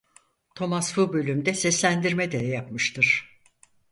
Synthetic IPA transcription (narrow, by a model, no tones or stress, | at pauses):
t̪ʰo̞masfubø̞lʲymd̪ɛsɛslʲænd̪iɾmɛd̪ɛjapmɯʃt̪ʰɯɾ̥